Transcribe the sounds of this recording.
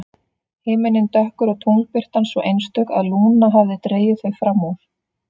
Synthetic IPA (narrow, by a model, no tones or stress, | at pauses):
heːmɪnɪnt̪œhkʏɾɔɣt̪ʰownlpɪr̥t̪ansvɔʔejnst̪œka̰ðluːnaɦavðɪt̪ɾeːjɪθeɣfɾamːawɾ̥